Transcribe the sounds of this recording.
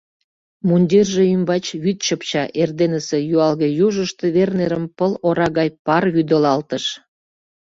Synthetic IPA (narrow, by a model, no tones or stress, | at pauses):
munʲd̪ʲerʒeymbɑt͡ɕβyt̪ɕəpt͡ɕɑʔerd̪enəsejuɑlɣejuʒəʃt̪eβerneɾəmpəloɾɑɣɑjpɑrβyd̪əlɑlt̪əʃ